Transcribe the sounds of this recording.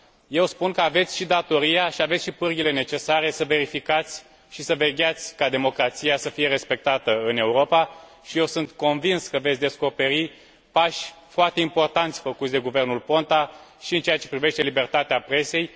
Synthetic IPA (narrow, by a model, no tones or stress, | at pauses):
je̞wspunkəave̞t̪sʲʃid̪at̪o̞ɾijaʃiavet̪sʲʃipɨrɡʲile̞ne̞t͡ʃe̞saɾe̞səve̞ɾifikat̪sʲ | ʃisəve̞ɡʲat̪sʲkad̪e̞mo̞kɾat̪sijasəfije̞ɾe̞spe̞k̚t̪at̪əɨne̞uɾo̞pa | ʃije̞wsunt̪ko̞nvinskəvet̪sʲd̪e̞sko̞pe̞ɾi | paʃʲfoart̪eimpo̞rt̪ant̪sʲfəkut̪sʲd̪e̞ɡuve̞rnulpo̞nt̪aʃiɨnt͡ʃeat͡ʃe̞pɾive̞ʃt̪e̞libe̞rt̪at̪eapɾe̞se̞j